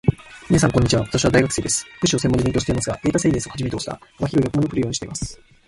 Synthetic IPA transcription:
mʲinas̬ãŋkoɲ̟ːit͡ɕiβaβat̪aɕ̬iβad̪aiɡakɯ̥se̞ːd̪e̞sɨ̥kɯ̟ɕiosemːoɲd͡ʑid̪eŋkʲoːɕiteimasɨɡaɡ̥eːt̪aseːd̪esɨohad͡ʑʑimeeoɕt̪a̰maçiɾoɡʲakɯmookɯɾɯjo̞ːɲiɕt̪e̞imasɨ̥

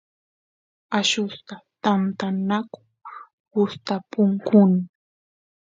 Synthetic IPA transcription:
aʃʊst̪at̪ant̪anakʊ̥ | hʊst̪apʊŋkʊna

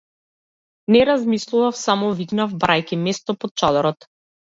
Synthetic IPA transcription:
nɛɾazmislˠuvafsamɔviknavbɾajkimɛst̪ɔpɔt̪̚t͡ʃad̪ɔɾɔt̪

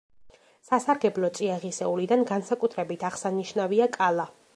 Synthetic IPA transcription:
sasaɾɡɛblˠɔt̪sʼiaʁisɛulid̪anɡansakʼut̪ʰɾɛbit̪ʰaʁsaniʃnaviakʼalˠa

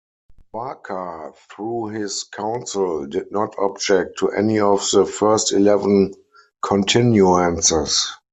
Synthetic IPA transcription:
b̥akʰəθɹuːhɪskʰãʊ̃nsɪldɪd̚nɔtʰɔbd͡ʒɛk̚tʰːuʔɛ̰niɔfðəfɜ˞stilɛvə̃n | kʰɔ̃ntʰɪ̃njuãnsəs

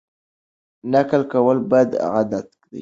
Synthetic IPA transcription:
nakalkawalbad̪a̰ɣad̪at̪kd̪a̰

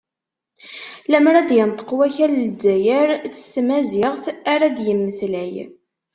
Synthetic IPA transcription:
læməɾˤæd̪jənt̪ˤə̥qwæçælldːæjəɾt͡sːə̥st̪mæzɪʁθaɾæd̪jəmːəslæj

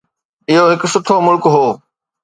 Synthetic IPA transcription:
ɪɦoɦɪkʊsʊt̪ʰomʊlkɦoː

